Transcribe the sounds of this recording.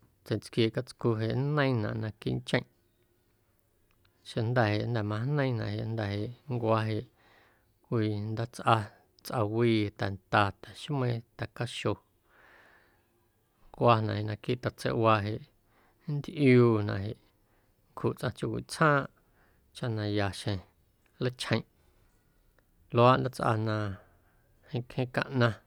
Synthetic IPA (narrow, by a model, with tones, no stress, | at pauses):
t͡se˨t͡skjeː˧˨ka˧t͡sku˧ɦe˨ʔnə̃˦ĩ˦nã̰˨ʔnã˧kḭ˦nt͡ʃə̃˧˦˨ʔ | ʃe˧nd̪ɛ˨ɦe˨ʔnd̪ɛ˨mã˧nə̃˦nã̰˨ʔɦe˨ʔnd̪ɛ˨ɦe˨ʔŋkʷa˧ɦe˨ʔ | kʷiː˧˨nd̪a˦t͡sʔa˧ | t͡sʔa˧wiː˦˧t̪ɛ˨nt̪a˧t̪ɛ̥˨ʃmẽ˦˧t̪a˨ka˦ʃo˧ | ŋkʷa˧nã˧˨he˨ʔnã˧ki˦ʔt̪a˨t͡sḛ˧˦ʔwa˧ɦe˧˨ʔ | nd̪ʔjuː˦˧nã̰˧˨ɦe˨ʔ | ŋkʰu˨t͡sʔã˧t͡ʃju˧kʷḭ˨t͡sʰhãː˦ʔ | t͡ʃa˦ʔnã˧ja˨ʃẽ˨ | lə˦t͡ʃʰhə̃˧j̃ʔ | lo˧˦a˦ʔnd̪a˦t͡sʔa̰˧nã˧ | hĩ˧kʰhẽ˦kã̰˧ʔnã˧